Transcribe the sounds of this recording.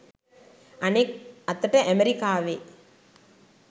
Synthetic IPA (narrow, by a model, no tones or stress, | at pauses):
ɐeɐt̪ːɐʈːɐʔɐmeɾikaːʋeː